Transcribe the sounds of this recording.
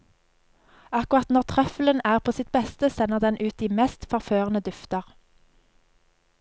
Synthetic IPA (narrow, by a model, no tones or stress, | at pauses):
ɑkʊʁɑt̪nɔʁt̪ʰʁœfələnæːʁpʰoːsɪt̪̚bɛst̪əsɛnəʁd̪ɛnʔʉːt̪̚iːmɛst̪fɔʁføːʁənəd̪ʏft̪əʁ